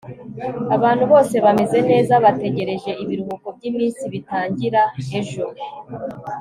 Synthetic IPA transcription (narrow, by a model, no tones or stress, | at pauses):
aβaːnhuβo̞ːse̞βame̞ze̞ne̞ːzaβate̞ɟe̞ɾe̞ʒe̞ʔiβiɾuβuko̞b̚ɟiːmiːnsiβitaːɲɟiɾaeʒoɾe